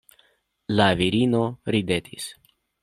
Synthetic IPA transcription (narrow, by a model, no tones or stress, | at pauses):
laviɾino̞ɾid̪et̪ʰis